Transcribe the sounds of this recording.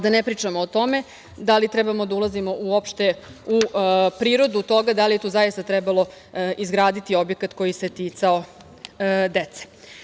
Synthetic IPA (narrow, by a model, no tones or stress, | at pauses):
d̪anepɾiːt͡ʂamoːt̪o̞me̞ | d̪alit̪ɾɛbamo̞d̪aulˠazimo̞ʔuopʃt̪e̞upɾiːɾo̞d̪ut̪o̞ɡad̪alije̞t̪ouːzajist̪at̪ɾɛbaloizɡɾaːd̪it̪io̞bjekat̪ko̞jiset̪it̪sao̞ | d̪et̪se̥